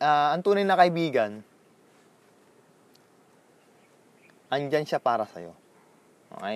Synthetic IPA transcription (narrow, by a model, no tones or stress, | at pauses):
ʔaːɐŋt̪uːnɐjnɐkɐʔɪbiːɡɐn | ʔɐŋd͡ʒanʃapaːɾɐsɐ̰jo̞̰ | ʔo̰ʔa